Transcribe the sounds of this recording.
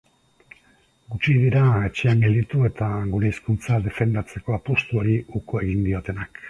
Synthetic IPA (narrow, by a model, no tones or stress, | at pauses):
ɡut͡ʃiðiɾae̞t͡ʃeamɡilit̪ue̞t̪aɣuɾe̞iskunt͡saðe̞fe̞nd̪at͡se̞ko̞apost̪uo̞ɾiukoe̞ɣind̪io̞t̪e̞nak